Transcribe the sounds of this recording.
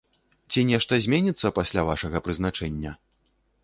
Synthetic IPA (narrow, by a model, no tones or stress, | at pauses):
t͡sʲinʲɛʂt̪ɐzʲmʲɛnʲit̪sːɐpasʲlʲavaʂɐɣɐpɾɨzn̪at͡ʂɛnʲːɐ